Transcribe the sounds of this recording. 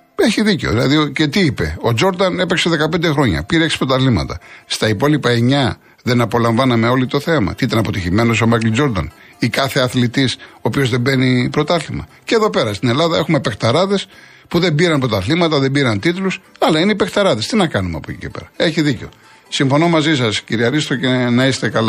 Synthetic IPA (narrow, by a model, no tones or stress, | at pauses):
e̞çiðiceo̰ðilɐ̰ðiocet̪iipe̞̰o̞d͡ʒo̞ɾd̪ɐne̞pekseðe̞kɐpe̞nd̪exɾo̞ɲɐ̰piɾeeksi̥pɾo̞t̪ɐθlimɐ̰t̪ɐ̰st̪ɐipo̞lipɐeɲɐ | ðe̞nɐpo̞lɐɱvɐnɐmeo̞lit̪o̞θe̞mɐ̰t̪iit̪̬ɐnɐpo̞t̪içime̞no̞so̞mɐjkld͡ʒo̞ɾðɐ̰n | ikɐθeɐθlit̪isoːpio̞zðe̞mbe̞nipɾo̞t̪ɐθlimɐ̰ceðo̞pe̞ɾɐst̪ine̞lɐðɐe̞xumepekt̪ɐɾɐðe̞s | puðe̞mbiɾɐnpɾo̞t̪ɐθlimɐt̪ɐðebiɾɐnt̪it̪lusɐlɐineipe̞kt̪ɐɾɐðe̞st̪inɐkɐnumeɐ̰pocḭce̞pḛɾɐe̞çiðiceo̞̰ | siɱfo̞no̞mɐzisɐsciɾiɐɾist̪ɾocenɐist̪ekɐl